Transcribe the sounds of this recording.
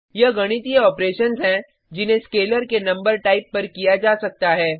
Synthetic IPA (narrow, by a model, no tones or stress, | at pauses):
jɐɡɐɽ̃ɪt̪iɔːpɾeːʃənzɦɛ̃ | d͡ʒɪnɦẽskeːləɾkenɐ̃mbəɾʈaːɪpːɐɾkijad͡ʒaːsɐk̚t̪aɦɛː